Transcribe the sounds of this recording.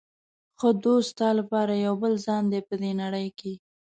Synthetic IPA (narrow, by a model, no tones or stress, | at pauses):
xod̪ost̪ɑlapɑɾajawbəlzɑnd̪epəd̪enaɽəjke